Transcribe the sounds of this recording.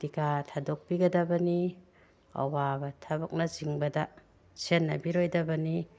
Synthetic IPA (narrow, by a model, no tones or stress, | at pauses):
dikatʰadok̚biɡɐdɐbɐni | ɐ̰wabɐtʰɐbɐk̚nɐziŋbɐdɐ | senːɐ̰biɾojdɐbɐni